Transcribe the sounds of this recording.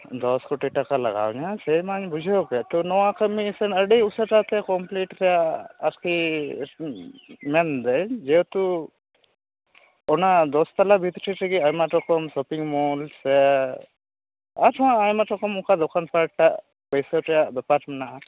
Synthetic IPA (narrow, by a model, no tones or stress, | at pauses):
d̪ɔskuʈiʈakala̰ɡa̰wɲasejmaɲbud͡ʒʱeokɛt̪ɔnɔwakəmisenəɖiusəʈat̪ɛkɔmpliʈɾɛjaaɾki | mɛnd̪əjd͡ʒewt̪u | ɔnad̪ɔst̪alabʱit̪ʈʰiʈʰiɡiajmaʈɔkɔmsɔpiŋmɔlse | aɾʈʰɔwãajmaʈɔkɔmukad̪ɔkʰanpaɾʈaʔ | pəjsəɾɛjaʔbɛpaɾʈmɛnaʔ